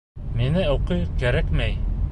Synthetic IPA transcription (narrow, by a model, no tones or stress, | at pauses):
minɘuqɤjkæɾækmæj